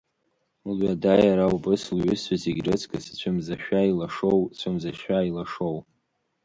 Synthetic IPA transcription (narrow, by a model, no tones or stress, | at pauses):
lɥadajaɾawbɨslɥʏsaziɡʲrɨt͡sʰʼkʼɨst͡ɕʷʰʊmzaʃᶣailaʂowt͡ɕʷʰɨmzaʃᶣailaʂow